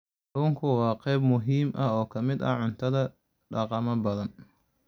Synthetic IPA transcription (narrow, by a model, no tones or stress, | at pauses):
ɾuːŋkʰʊwɑːqɛjb̚mʊɦiːmʔɐɔːkʰɐmɪd̪ɐ̰ʕʊnt̪ʰɐðɐ | ɖɑqɑmɐbɐðɐn